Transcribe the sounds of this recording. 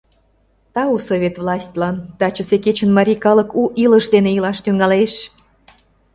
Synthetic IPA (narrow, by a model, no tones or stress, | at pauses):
t̪ɑusovʲet̪vlɑsʲt̪ʲlɑnd̪̥ɑt͡ɕə̆seket͡ɕə̆nmɑɾʲikɑlɤ̆kuʔilə̆ʃd̪eneilɑʃt̪yŋɑleʃ